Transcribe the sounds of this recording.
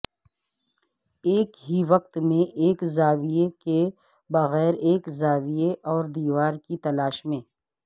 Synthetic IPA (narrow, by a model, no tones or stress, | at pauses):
eːkɦiʋɐq̚t̪mẽʔeːkzaːʋijeke | bɐɣɛːɾeːkzaːʋijeʔɔːɾd̪iːʋaːɾkit̪ɐlaːʃmẽː